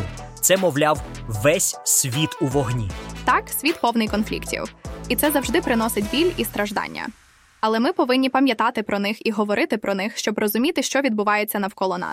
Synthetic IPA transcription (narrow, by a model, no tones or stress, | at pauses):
t̪sɛmɔwlʲawʋɛsʲsʲʋʲit̪uʋɔɦnʲit̪ɑksʲʋʲit̪pɔwnɪjkɔnflʲḭktʲḭwit̪sɛzɐwʒd̪ɪpɾɪnɔsɪtʲbʲilʲist̪ɾɐʒd̪ɑ̰nʲːɐ̰ | ɐlˠɛmɪpɔʋɪnʲːipɐmʲjɐt̪ɑt̪ɪpɾɔnɪxiɦɔʋɔɾʔɪt̪ɪpɾɔnɪxʃt͡ʃɔbrɔzʊmʲit̪ɪʃt͡ʃɔʋʲid̪̚bʊʋɑjet͡sʲːɐnɐwkɔlˠɔnɑ̰